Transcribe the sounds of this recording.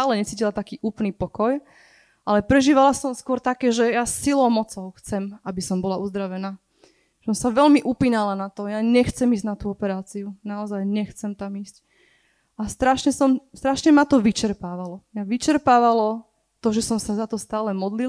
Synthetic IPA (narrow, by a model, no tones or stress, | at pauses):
aːlɛɲɛt͡siːcilat̪akiːʔuːpl̩niːpɔkɔj | ʔalɛpɾɛʒiːʋalasɔmskwɔɾt̪akɛːʒɛjasilɔʊmɔt͡sɔʊxt͡sɛmabisɔmbɔlaʔuzd̪ɾaʋɛnḁː | ɛsɔmsaʋɛlmiʔupiːnalanat̪ɔjaɲɛxt͡sɛmiːzɟnat̪uːɔpɛɾaːt͡siunaɔzajɲɛxt͡sɛmt̪amiːsc | ʔast̪ɾaʃɲɛsɔmst̪ɾaʃɲɛmat̪ɔʋit͡ʃɛɾpaːʋalɔmaʋit͡ʃɛɾpaːʋalɔ | t̪ɔʒɛsɔmsazat̪ɔst̪aːlɛmɔd̪li